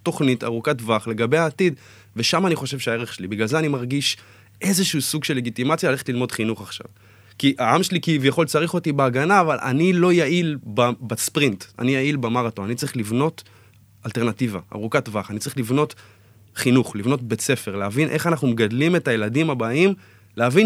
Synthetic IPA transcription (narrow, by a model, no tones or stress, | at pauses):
to̞χnita̰ʁukatvaχle̞ɡabejaːtid | ve̞ʃamaːniχo̞ʃe̞vʃeae̞ʁeχʃelibiɡlalze̞animaʁɡiʃ | ʔe̞zeʃuusuɡʃelːeɡitimat͡sjaleleetlilmo̞d̥χinuχaχʃa̰v | kiʔaamʃelikivjaχo̞lt͡saʁiχo̞tibeaɡanaːvalʔa̰nilo̞jaʔilbabaspʁinta̰nijailbemaʁatonanitt͡saʁiχlivno̞t | alte̞ʁnativaa̰ʁukatvaχanitt͡saʁiχlivno̞t | χinuχlivno̞tbe̞t͡se̞fe̞ʁleavinʔe̞χanaχnumeɡadlime̞tajeladimabaim | leavin